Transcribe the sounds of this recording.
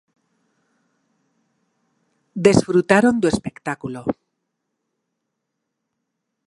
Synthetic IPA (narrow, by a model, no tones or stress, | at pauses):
d̪e̞sfɾut̪aɾo̞nd̪ue̞spe̞kt̪akulo